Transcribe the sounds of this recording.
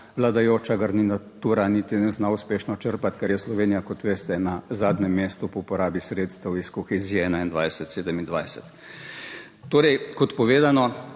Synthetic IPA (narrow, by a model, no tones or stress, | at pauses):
ʋlad̪ajoːt͡ʃaɡaɾninat̪uːɾanit̪inɛznauspeːʃnɔt͡ʃəɾpat̪kɛɾjɛslɔʋeːnijakɔt̪ʋeːst̪ɛnazaːd̪nɛmːeːst̪upɔupɔɾaːbisɾeːt̪st̪ɛwiskɔxeziːɛɛːnaind̪ʋajsɛt̪seːd̪ɛmind̪ʋajsɛt̪ | oːɾɛjkɔt̪pɔʋeːd̪anɔ